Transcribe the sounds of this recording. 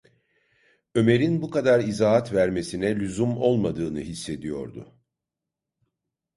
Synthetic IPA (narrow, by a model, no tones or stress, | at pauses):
ø̞me̞ɾinbukad̪aɾizaːɦat̪væɾme̞sinɛlʲyzumo̞lˠmad̪ɯːnɯɦisːe̞d̪ijo̞̰ɾd̪ʊ̰